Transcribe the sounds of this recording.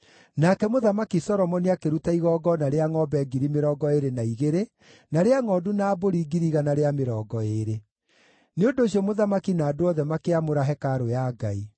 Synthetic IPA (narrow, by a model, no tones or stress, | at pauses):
nakɛmoðamakisɔɾɔmɔniakeɾutaiɣɔɡɔnaɾeaŋɔbɛɡiɾimeɾɔɡɔeɾenaiɣeɾe | naɾeaŋɔdunaːboɾiɡiɾiɣanaɾeameɾɔːɡɔeɾe | neondoːɕ̬iɔmoðamakinaːdoɔðɛmakeamoɾaɦɛkaɾojaɡai